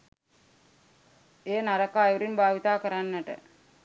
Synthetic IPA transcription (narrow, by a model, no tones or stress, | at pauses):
eːnaɾəkaːjuɾinbʱaːʋit̪aːkəɾanːəʈə̰